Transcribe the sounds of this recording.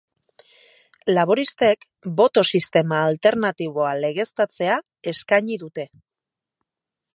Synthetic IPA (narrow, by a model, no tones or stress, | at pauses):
laβo̞ɾist̪e̞k | bo̞t̪o̞sist̪e̞maːlt̪e̞ɾnat̪iβ̞o̞ale̞ɣ̞e̞st̪at͡se̞a | e̞skaɲiðut̪e̞